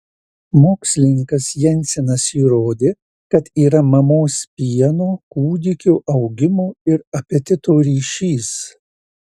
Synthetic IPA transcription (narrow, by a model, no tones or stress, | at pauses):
moːksʲlʲɪnʲɪŋkɐsjɛnʲˑsʲɪnɐsiːɾoːd̪ʲeː | kɐt̪iːɾɐmɐmoːspʲiɛnoːkuːd̪ʲɪkʲuːʔɐʊɡʲɪmoːɪɾɐpʲɛt̪ʲɪt̪oːɾʲiːʃʲiːs